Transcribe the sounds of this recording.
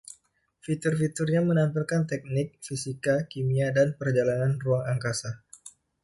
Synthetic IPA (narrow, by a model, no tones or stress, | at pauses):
fit̪ʊrfit̪urɲamənampilkant̪ɛk̚nɪk̚fisikakimiadanpərd͡ʒalananruaŋaŋkasa